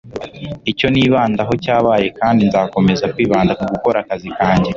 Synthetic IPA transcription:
ico̞niːβaːndaɦo̞caːβaːje̞kaːndinzaːko̞me̞zakwiːβaːndakuɡuko̞ɾakazikaːɲɟe̞

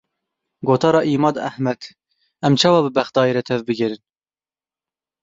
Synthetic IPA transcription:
ɡoːt̪ʰɑːɾɑːʔiːmɑːd̪æ̰hmɛd̪̥ | ɛmt͡ʃʰɛwɑːbɨbæxd̪ɑːjiɾɛt̪ʰɛvbɨɡʲɛɾɨn

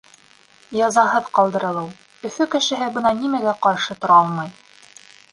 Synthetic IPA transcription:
jɑzɑɦɤðqɑlˠd̪ɤ̆ɾɤ̆lˠɤw | ɵ̆fɵkɘ̆ʃɘ̆ɦɘbɤnɑnimæɡæqɑɾʃɤt̪ŏɾɑɑlˠmɑj

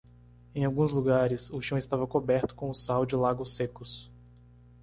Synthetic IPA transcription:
ẽj̃awɡũzluɡaɾɪsʊʃɐ̃w̃ɪst̪avɐkobɛɾt̪ʊ̥kõw̃ʊsawd͡ʒɪlaɡʊsekʊs

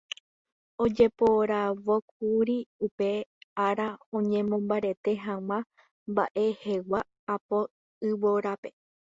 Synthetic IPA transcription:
o̞d͡ʒe̞po̞ɾaʋo̞k̚uɾiupe̞aɾaõ̞ɲẽ̞mõ̞mbaɾe̞t̪e̞ɦãŋ̃ã | mba̰ʔe̞he̞waː | po̞ | ɨwoɾape̞

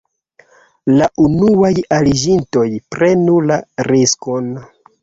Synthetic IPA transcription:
laʔunuajalid͡ʒinto̞jpɾe̞nulaɾisko̞n

